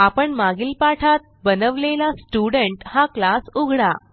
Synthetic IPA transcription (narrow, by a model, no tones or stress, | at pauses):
apəɳmaɡilpaʈʰat̪̚bənəʋlelasʈuɽəɳʈhaklasuɡʱɽa